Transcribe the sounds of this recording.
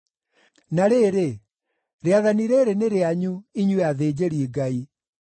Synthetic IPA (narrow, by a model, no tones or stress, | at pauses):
naɾeːɾe | ɾeaðaniɾeɾeneɾeaɲuiɲweaðed͡ʑeɾiiɡai